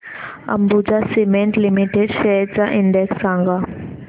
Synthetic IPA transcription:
ɐ̰̃mbud͡ʒasimẽɳʈlimiʈeɖʃɛɾ̚t͡ʃaʔɪ̃ɳɖɛksːãːŋɡa

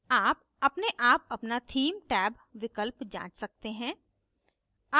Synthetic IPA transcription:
aːp̚ | ɐpneʔaːpɐpnat̪ʰiːmʈɛːb | ʋɪkəlpd͡ʒã̰ːt͡ʃsɐk̚t̪eɦɛ̃ː | a

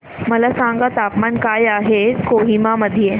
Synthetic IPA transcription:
mɐlasãːŋɡat̪aːpmaːnkaːjaːɦekoːɦimamɐd̪ʱije

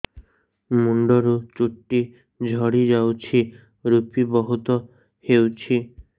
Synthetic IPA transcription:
muɳɖɔɾut͡ʃuʈːi | d͡ʒʱɔɽid͡ʒawt͡ʃʰi | ɾupibɔɦut̪ɔ | hewt͡ʃʰi

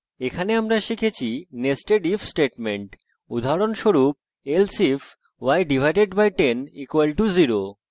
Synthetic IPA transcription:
ekʰaneamɾaʃikʰet͡ɕʰinesʈeɖifsʈeʈmeɳʈ | ud̪ʱaɾonʃoɾup̚ | elsifʰ | wajɖibʱajɖeɖbajʈenikwalʈuziɾo

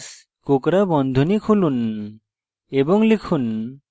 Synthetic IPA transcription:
s | kokɾabɔnd̪ʱonikʰulun | ebɔŋlikʰun

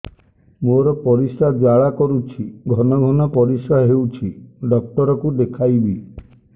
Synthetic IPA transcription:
moɾɔpɔɾisad͡ʒaɭakɔɾut͡ʃʰiɡʱɔnɔɡʱɔnɔpɔɾisaɦewt͡ʃʰiɖɔk̚ʈɔɾɔkud̪ekʰajbi

